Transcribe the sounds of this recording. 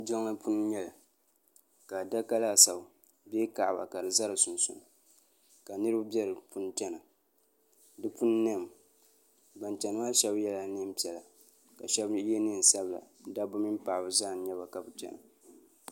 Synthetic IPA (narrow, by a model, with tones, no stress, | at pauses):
d͡ʒa˦ŋla˦pʰʊ˦n˦ɲɛ˦la˨ | ka˨da˦ka˦la˦˨sa˨ʊ˨ | be˦ka˨ʔba̰˨ka˨dɨ˨za˦ɾɨ˨sʊ˨nsʊ̰˨n˨ | ka˨nɨ˦ɾɨ˦ba˦bɛ˦ɾɨ˨pu˦n˦t͡ʃɛ˦na˨ | dɨ˦pʊ˦nː˦ɛ˦˨m˨ | ba˨nt͡ʃɛ˨nɨ˨ma˦ʃɛ˦bjɛ˦la˦nɨ˦m˦pi˨ɛ˨la˨ | ka˨ʃɛ˦bjɛ˦nɨ˦n̩˨sa˦bla̰˨˦da˦bʊ˦mi˦mpa˨bɨ˨zaː˦˨ɲɛ˦ba˨ka˨bʊ˨t͡ʃɛ̰˦na˨